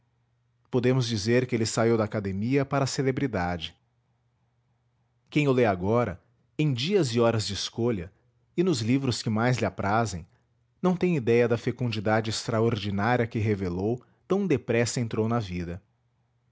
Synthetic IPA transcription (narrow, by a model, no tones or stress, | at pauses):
pod̪ẽmʊzd͡ʒizeɾkɪelɪsaiwd̪ɐaːkad̪emiɐpaɾɐselebɾid̪ad͡ʒɪ | kẽj̃ewleaɡɔɾɐ̰ | ẽj̃d͡ʒiɐzɪɔɾɐzd͡ʒɪɪskoʎɐ | ɪnʊzlivɾʊskɪmajzlɪapɾʔazẽj̃ | nɐ̃w̃t̪ẽj̃id̪ɛjɐd̪ɐfekũnd͡ʒid̪ad͡ʒɪɪst̪ɾaoɾd͡ʒinaɾiɐkɪɦevelow | t̪ɐ̃w̃d̪epɾɛsɐẽnt̪ɾownɐvid̪ɐ